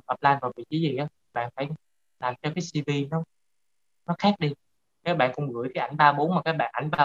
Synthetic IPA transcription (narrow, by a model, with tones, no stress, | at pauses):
ʔə˨˩p̚laː˧nvaː˨˩vḭ˧˨t͡ɕi˨˦zi˨˩ʔaː˨˦ | ɓa̰ː˧˨nfaː˧˩j | laː˨˩mt͡ɕɔ˧kaː˨˦jsi˧vi˧nɔ˨˦ | nɔ˨˦xaː˦˥k̚ɗi˧ | kaː˦˥k̚ɓa̰ː˧˨nkʊ̰˧˩ŋ͡mɣɨ̰˧˩əjkaː˨˦jʔa˧˩jŋ̟ɓaː˧ɓo˨˦nmaː˨˩kaː˦˥k̚ɓa̰ː˧˨ŋʔa˧˩jŋɓaː˧